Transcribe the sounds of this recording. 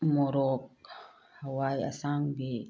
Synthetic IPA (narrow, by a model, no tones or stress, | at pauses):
mɔɾɔk | hawaja̰saŋbɛ